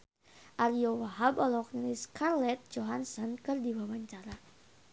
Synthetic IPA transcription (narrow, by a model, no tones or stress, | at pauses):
ʔaɾiowaɦabɔlɔɔk̚nilɪskarlɛt̪̚d͡ʒoɦansɔnkɨrdiwawaɲt͡ʃaɾa